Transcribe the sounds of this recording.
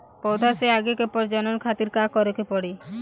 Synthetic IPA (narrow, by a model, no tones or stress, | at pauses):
pɔwd̪ʱaseaɡekepɔɾd͡ʒɔnɔnkʰat̪iɾkakɔɾɔkepɔɽi